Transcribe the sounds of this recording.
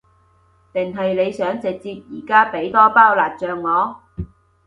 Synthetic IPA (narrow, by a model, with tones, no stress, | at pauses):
t̪ɪ˨˩ŋɦɐ˨jle˨˧jsœː˨˥ŋt͡sɪ˨k̚t͡siː˧p̚jiː˨˩kaː˥pe˨˥jt̪ɔː˥paː˥˩wlaː˨˩t̚t͡ʃœː˨ŋŋɔː˨˧